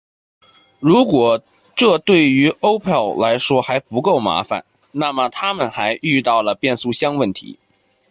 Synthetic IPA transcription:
ɻu˧˥kwɔ˨˩ | ʈ͡ʂɤ˥˧t̪we˥˩ɪy˧˥o˥ʊpʰɛ˥˩lla˧˥ɪʂwɔ˥xa˧˥ɪpu˧˥ko˥˩ʊma̰˧˥fa̰˨˩˦n | na˥˩mə˩t̪ʰa˥mə˨nxa˧˥ɪʔy˥˧t̪ɑ˥˩ʊlə˩pjɛ˥˧nsu˥˩ɕjɑ˥ŋwə˥˩nt̪ʰḭ˧˥

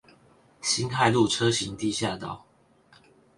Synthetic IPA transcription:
ɕi˦nkʰa˥˧ɪlu˥˨ʈ͡ʂʰɤ˦ɕi˨˦ŋt̪i˥˨ɕja˥˨t̪ɑ˨˩ʊ

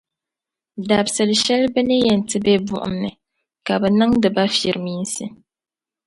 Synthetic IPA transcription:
da˨bsɨ˨lʃɛ˦lbɨ˦nɨ˦jɛ˨n˨tɨ˦bɛ˦bʊ̰˦ʔʊ̰˨mnɨ˨ | ka˨bɛ˨nɨ˦ŋdɨ˨ba˦fi˨ɾɨ˨mi˦n˦sɨ˦

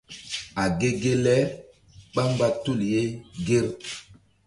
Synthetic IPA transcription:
a˨ɡe˦ɡe˦lɛ˦ | ɓa˦mba˦tu˦˨lje˦ɡe˦ɾ

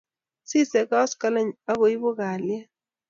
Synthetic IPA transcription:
si˦sɛ˨ka˦ɔ˦ska˦la˦ɲa˦ɣo˨i˦bo˦ɣa˨lja˦

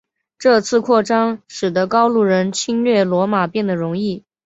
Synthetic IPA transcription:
ʈ͡ʂɤ˥˧t͡sʰɹ̩˥˧kʰwɔ˥˩ʈ͡ʂɑ˥ŋʂɻ̩˨˩d̪ə˦kɑ˥ʊlu˥˩ɻə˧˥nt͡ɕʰi˥nɥɛ˥˩lwɔ˧˥ma˨˩pjɛ˥˩nd̪ə˩ɻʊ˧˥ŋi˥˩

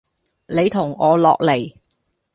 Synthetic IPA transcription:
ne˨˧jt̪ʰʊ˨˩ŋɔː˨˧lɔ̰ː˨k̚le˨˩j

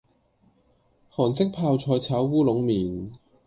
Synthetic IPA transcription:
hɔː˨˩nt͡sɪ˥k̚pʰaː˧wt͡sʰɔː˧jt͡sʰaː˨˥wwuː˥lʊ˨˧˥ŋmiː˨˩n

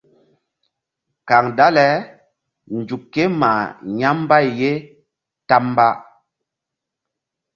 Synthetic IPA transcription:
ka˨ŋda˦lɛ˦ | n˨d͡ʒu˨kːe˦ma˨ɲa˦m˦ba˦˨jje˦ | ta˦m˦ba˦ʔ

